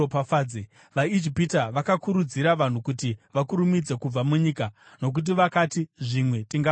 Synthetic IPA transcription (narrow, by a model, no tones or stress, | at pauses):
opafaːe | ʋaid͡ʒipitaʋakakuɾud͡ziɾaʋan̤ukutiʋakuɾumid͡ze̞kub͡vamuɲiːka | no̞k̬ut̬iʋakatiʐimwe̞tiŋɡa